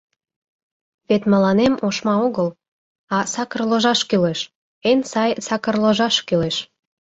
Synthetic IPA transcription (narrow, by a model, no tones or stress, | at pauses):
βet̪mə̆lɑnemoʃmɑoɣəl | ɑsɑkərloʒɑʃkyleʃ | ensɑjsɑkərloʒɑʃkyleʃ